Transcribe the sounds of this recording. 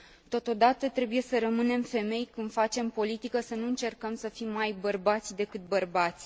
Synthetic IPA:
t̪ot̪o̞d̪at̪ət̪ɾe̞buje̞səɾəmɨne̞mfe̞me̞jkɨnd̪fat͡ʃe̞mpo̞lit̪ikəsənuɨnt͡ʃe̞rkəmsəfimːajbərbat̪sʲd̪e̞kɨt̪̚bərbat̪sʲ

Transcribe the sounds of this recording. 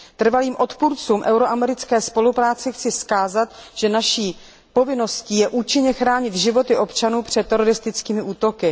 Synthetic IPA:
t̪r̩valiːmʔo̞t̪puɾt͡suːmʔɛwɾo̞ʔamɛɾɪt͡skɛːspo̞lupɾaːt͡sɪxt͡sɪskaːzat̪ʒ̥ɛnaʃiː | po̞vɪno̞sciːjɛʔuːt͡ʃɪɲɛxɾaːɲɪt̪ʒɪvo̞t̪ɪʔo̞pt͡ʃanuːpr̝̥ɛt̪ːɛɾo̞ɾɪst̪ɪt͡skiːmɪʔuːt̪o̞kɪ

